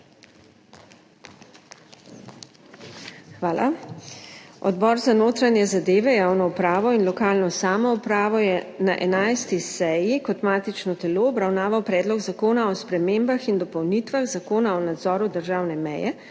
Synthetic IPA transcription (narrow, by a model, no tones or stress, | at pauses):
xʋaːlʔa̰ | ɔd̪bɔɾzanoːt̪ɾanjɛzad̪eːʋɛjaːwnɔupɾaːʋɔinlɔkaːlnɔsaːmɔupɾaːʋɔjɛnaʔɛnajst̪isɛjikɔt̪maːt̪it͡ʃnɔt̪ɛloːbɾawnaːʋawpɾɛːd̪lɔɡzakoːnaɔspɾɛmeːmbaxind̪ɔpɔwnit̪ʋaɣzakoːnaɔnad̪zɔːɾud̪əɾʒaːwnɛmɛ̰jɛ